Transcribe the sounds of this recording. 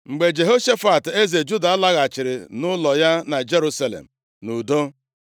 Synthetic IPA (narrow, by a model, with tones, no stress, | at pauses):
ŋ͡m̩˨ɡ͡be˨d͡ʒe˨ɦo˦ʃe˦fa˨te˦ze˨d͡ʒu˦da˨a˦la˦ɣa˨t͡ʃɪ˨ɾɪ̰˨nʊ˦lɔ˨ja˦na˨d͡ʒe˦ɾu˦sa˦lḛ˨m̩˨ | nu˨do˦